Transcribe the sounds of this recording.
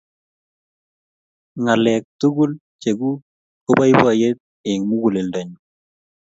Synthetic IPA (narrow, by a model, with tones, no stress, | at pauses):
ŋa˨lɛk̚tu˦ɡu˦l | t͡ʃe˨ɡu˦ | o˦ba˦jbɔ˦a˨je˦t̪̚ | ɪŋmu˦ɡu˨le˨lda˨ɲu